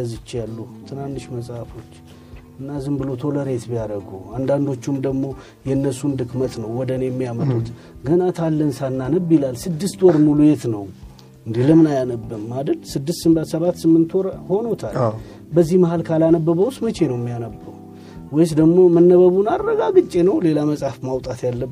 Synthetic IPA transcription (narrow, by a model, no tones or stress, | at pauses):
zɨt͡ʃːjalːut̪ʰɨnanːɨʃməsʼafo̞t͡ʃː | ɨnːazɨmbɨlo̞t̪ʰo̞ləɾe̞t̪bijaɾəɡuand̪and̪o̞t͡ʃːumd̪əɡmo̞ | jɛnːəsund̪ɨkmət̪nəwːɔd̪ənejɛmːijamət̪ʼut̪ | ɡənat̪ʰalːənsanːanəbjilalsɨd̪ːɨst̪wɔɾmulujet̪nəw | ɨnd̪iləmɨnajanəbːɨmːad̪ɾɨd̪sɨd̪ːɨst̪sɨmbat̪səβat̪ːsɨmːɨnt̪wɔɾho̞not̪ʰal | bəzːihməhalkʰalanəbːəβəwsmət͡ʃe̞nəwmːijanəbːəw | wɔjsd̪əɡmo̞mənːəβəβunaːəɡaɡɨt͡ʃʼːe̞nəwle̞laməsʼafmawt̪ʼat̪jalːəb